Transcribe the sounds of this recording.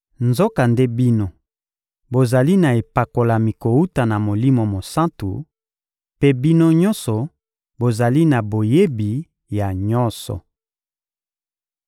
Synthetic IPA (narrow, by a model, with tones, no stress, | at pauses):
nzo˦ka˨nde˦bi˦no˦ | bo˨za˨li˦na˨e˨pa˨ko˨la˨mi˨ko˨wu˦ta˨na˨mo˨li˦mo˨mo˨sã˦ntṵ˨ | pe˦bi˦no˦ɲɔ̃˦sɔ˨ | bo˨za˨li˦na˨bo˨je˦bi˨ | ja˨ɲɔ˦sɔ̰˨